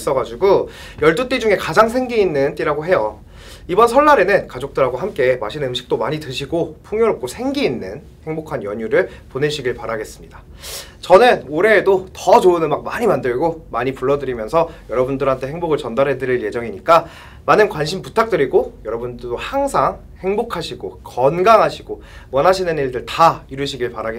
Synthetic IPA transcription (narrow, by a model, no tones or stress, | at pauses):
s͈ʌɡad͡ʑuɡo | jʌɭt͈ut͈id͡ʑuŋe̞kad͡ʑaŋs̬ʰe̞ŋɡiːnːɯnt͈iɾaɡoɦe̞jʌ | ibʌnsʰʌnːaɾe̞nɯnkad͡ʑok̚t͈ɯɾaɡwaɦamk͈e̞maɕʰinɯmɕʰi̥k̚t͈omaɲitɯɕʰiɡopʰuŋjoɾʌp̚k͈osʰe̞ŋɡiːnːɯn | he̞ŋbokʰanjʌɲuɾɯɭpone̞ɕʰiɡiɭpaɾaɡe̞s͈ɯmɲidḁ | t͡ɕʌnɯnoɾe̞ːdotʌd͡ʑounɯnmak̚maɲimandɯɭɡomaɲipuɭːʌdɯɾimjʌnsʰʌjʌɾʌbundɯɾɦantʰe̞he̞ŋboɡɯɭt͡ɕʌndaɾɦedɯɾiɭje̞d͡ʑʌŋiɲik͈a | manɯnkwanɕʰimputʰak̚t͈ɯɾiɡojʌɾʌbundɯɭdohaŋsʰaŋ | he̞ŋbokʰaɕʰiɡokʌnɡaŋɦaɕʰiɡo | wʌnɦaɕʰinɯniɭdɯɭtaiɾɯɕʰiɡiɭpaɾaɡe